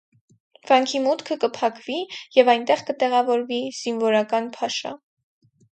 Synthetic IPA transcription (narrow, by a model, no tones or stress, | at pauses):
v̥ɑŋkʰimut̪kʰəkəpʰɑkvijɛvɑjnt̪ɛʁkət̪ɛʁɑvɔɾviz̥invɔɾɑkɑnpʰɑʃɑ̰